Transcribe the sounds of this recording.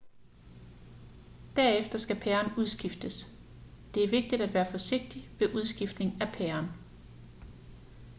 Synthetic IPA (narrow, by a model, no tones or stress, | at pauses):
d̥æɐefd̥ɐsɡ̥æpʰæɐnuð̞ˠsɡ̥ifd̥əs | d̥e̝æɐʋe̝ɡ̥̚d̥id̥æd̥ʋæːɐfɒ̽se̝ɡ̥̚d̥iʋe̝ʔuð̞ˠsɡ̥ifd̥ne̝ŋæpʰæɐn